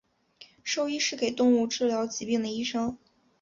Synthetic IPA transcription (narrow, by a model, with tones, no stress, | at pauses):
ʂo˥ʊi˥ʂɻ̩˥˩ke˨˩ɪt̪ʊ˥˧ŋu˥˧ʈ͡ʂɻ̩˥˩ljɑ˧˥ʊt͡ɕi˧˥pi˥˩ŋd̪ə˩i˥ʂɤ˥ŋ